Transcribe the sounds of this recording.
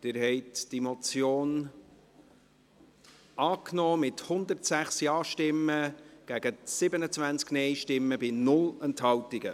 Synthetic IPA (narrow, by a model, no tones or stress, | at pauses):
d̥ɪːɾɦɛɪtd̥imɔt͡sjoːn | ʔɑːknɔːmɪthʊnd̪əɾtsæχsjɑːʃtɪmːəɡ̥æɡ̥əsɪbənət͡svænt͡sknɛɪʃtɪmːəbɪnʊlɛnthɑltɪɡə